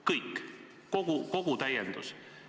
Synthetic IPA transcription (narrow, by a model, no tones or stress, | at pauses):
kɤjkː | koɡ̥uko̞ɡ̥ut̪æjːend̪̥us